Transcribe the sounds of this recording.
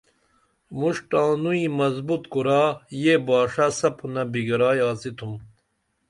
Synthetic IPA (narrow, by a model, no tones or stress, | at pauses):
muʂʈãːnuĩmɐzbut̪kuɾaːjebaːʂasɐpʰunɐbiɡɐɾaːjaːt͡sit̪ʰum